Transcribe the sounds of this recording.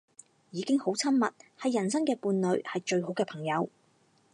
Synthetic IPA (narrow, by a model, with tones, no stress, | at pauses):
jiː˨˧kɪ˥ŋho˨˥wt͡sʰɐ˥mmɐ̰˨t̚hɐ˨jːɐ˨˩nsɐ˥ŋkɛː˧puː˧nlɵ˨˧ɥhɐ˨jt͡ʃɵ˧ɥɦo˨˥wkɛː˧pʰɐ˨˩ŋjɐ˨˧w